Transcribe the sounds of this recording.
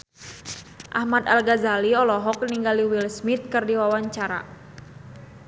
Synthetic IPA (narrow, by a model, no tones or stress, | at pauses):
ʔahmat̪alɡazaliɔlɔɦɔk̚niŋɡaliwilsmit̪̚kɨrdiwawaɲt͡ʃaɾa̰